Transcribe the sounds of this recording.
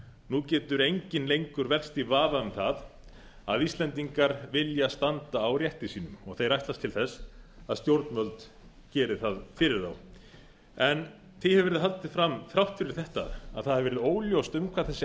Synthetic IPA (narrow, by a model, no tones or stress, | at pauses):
nucɛːt̪ʏɾejɲcɪnlejŋkʏɾvɛr̥st̪ivaːvaʏmθað | a̰ðist̪lɛnt̪iŋkaɾvɪljast̪ant̪aːwɾjɛht̪ɪsiːnʏmɔɣθejɾajht̪last̪ʰɪlθɛsːaðst̪jowɾt̪nmœlt̪ | cɛːɾɪθaðfɪɾɪɾ̥θaw | ɛn | θɪjhɛvɛɾɪðɦalt̪ɪðfɾamθɾawht̪fɪɾɪɾ̥θɛht̪a̰a̰ðθaðhɛvɛɾɪðoːwljowst̪ʏmkʰvaðθɛsːɪ